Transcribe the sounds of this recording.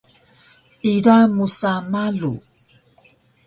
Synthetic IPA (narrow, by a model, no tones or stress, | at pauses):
idamusamaɮu